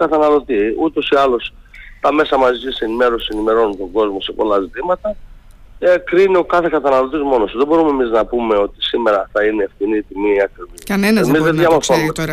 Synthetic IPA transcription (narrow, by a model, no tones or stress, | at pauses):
kɐt̪ɐnɐlo̞t̪iut̪o̞siɐlo̞s | t̪ɐme̞sɐmɐzʝise̞nime̞ɾosise̞nime̞ɾo̞nunt̪o̞ŋɡo̞zmo̞se̞po̞̰lɐzit̪imɐt̪ɐ | ekɾinio̞kɐθe̞kɐt̪ɐnɐlo̞t̪izmo̞nosuðe̞bo̞ɾumemiznɐpume̞o̞t̪isime̞ɾɐθɐine̞ːfθinit̪imiɐkɾiviɐnenemizðeðʝɐmoθo̞nume